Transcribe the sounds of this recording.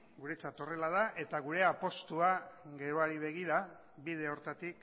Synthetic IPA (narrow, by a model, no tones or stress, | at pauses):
ɡuɾet͡sat̪o̞re̞lað̞aʔe̞t̪aɣ̞uɾe̞apo̞st̪uaɣe̞ɾoaɾiβ̞e̞ɣ̞iɾa | βið̞e̞o̞ɾt̪at̪ik